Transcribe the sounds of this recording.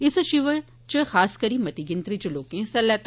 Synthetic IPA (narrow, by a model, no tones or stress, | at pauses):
ɪsʃɪʋə | t͡ʃəxaːskɐɾimɐt̪iɡɪnt̪ɾit͡ʃɐloːkẽsɐlːɐt̪